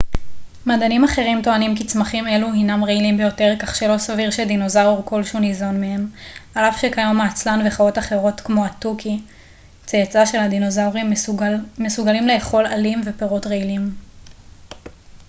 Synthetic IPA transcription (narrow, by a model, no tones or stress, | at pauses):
madanimaχe̞ʁimto̞animkit͡smaχime̞luhinamʁeilimbe̞jo̞te̞ʁkaχʃe̞lo̞saviʁʃedino̞zauʁko̞lʃunizo̞nmehemalafʃekajomaːt͡slanveχao̞taχe̞ʁo̞tkmo̞atuki | t͡seat͡saʃe̞lhad̪inozauʁimː | esuɡalimle̞ːχo̞lalimve̞peʁotʁeilim